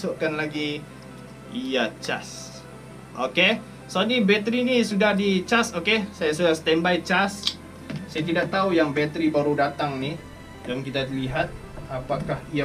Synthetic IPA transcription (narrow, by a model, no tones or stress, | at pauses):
sʊʔkanlaɡi | jat͡ʃas | ʔoke | sonibɛt̪ɾinisudahdit͡ʃasokesajasudahst̪ɛmbajt͡ʃas | sajat̪̬idaʔ̚t̪aujaŋbɛt̪ɾibaɾudat̪aŋni | damkit̪aliɦat̪̚ | apakahija